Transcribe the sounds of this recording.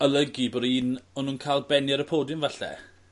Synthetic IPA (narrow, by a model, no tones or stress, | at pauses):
əlˠəɡiboːdiːnɔnuːnkʰaːlˠbɛnjɛɾəpʰoːdɪnvaɬɛ̰